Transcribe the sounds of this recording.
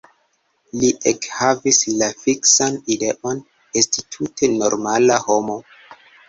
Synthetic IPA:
liʔekhavislafiksanide̞ʔo̞n | estitʰutʰe̞no̞ɾmalaho̞mo̞

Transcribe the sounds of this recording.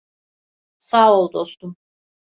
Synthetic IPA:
saːolˠd̪ost̪um

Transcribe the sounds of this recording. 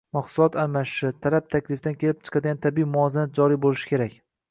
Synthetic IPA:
mɑχsʊlˠɒt̪aɾmaʃʃɪt̪ʰalap̚t̪ʰakʲlɪfd̪ankʲʰe̞lɪp̚t͡ʃʰɨ̥qʰɑd̪ɪɡʲant̪ʰabiimʊɒzanad͡ʒɒɾijbolɪʃɪ̥kʲe̞ɾakʲ

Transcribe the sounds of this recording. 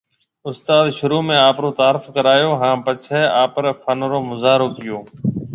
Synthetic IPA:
ʊst̪aːd̪ʃʊɾuːmẽːaːpɾoːt̪aːɾɪfkəɾaːjoːɦãːpət͡ʃʰeːaːpəɾfʰənɾoːmʊzaːɾoːkɪjoː

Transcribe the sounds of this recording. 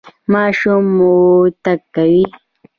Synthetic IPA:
maʃʊmut̪akːawi

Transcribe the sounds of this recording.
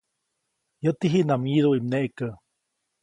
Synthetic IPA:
jət̪iɦiʔnamjiðuʔimneʔkə

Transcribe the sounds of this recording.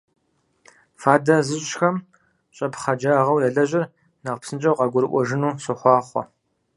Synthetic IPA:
faːdɐzɨɕɕxɐm | ɕʼɐpχɐd͡ʒaʁɐwlɐɮɐʑɪr | nɐqpsɨnt͡ʃʼɐwqɑɡʷʊɾɨʔʷɔʒɪnuːɕɨχʷɑːχʷɔ̰

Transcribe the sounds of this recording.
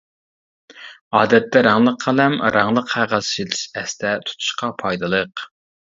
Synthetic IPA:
ɑːd̪ɛt̪ːɛɾɑŋlˠəqʰːɑlɛmɾʔɑŋlˠəqhæʁɑsit̪ʰɪ̥ʃɛst̪ʰɛt̪ʰu̥t̪ʰu̥ʃqɑpʰɑjd̪ɨlˠəq

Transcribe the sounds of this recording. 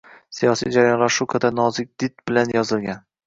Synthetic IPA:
sijɒsijd͡ʒaɾajɒnlaɾʃʊkʰad̪anɒzɪk̚ʲd̪̥ɪt̪̚bɪlanjɒzɪlˠɡʲan

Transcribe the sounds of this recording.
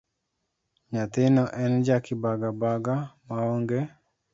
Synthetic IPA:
ɲat̪ɪnɔʔɛnd͡ʒakɪbaɡabaɡamaoŋɡe

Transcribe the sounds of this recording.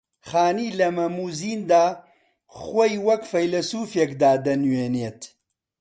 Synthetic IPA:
χaːniːlɐmɐmuːziːnd̪aː | χwojwɐkfɐjlɐsuːfjekd̪aːd̪ɐnweːneːt̪

